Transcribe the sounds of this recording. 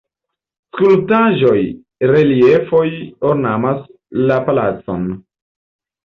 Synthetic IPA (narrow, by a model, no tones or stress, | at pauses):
skultaʒo̞j | ɾe̞lie̞fo̞joɾnamas | lapalat͡so̰n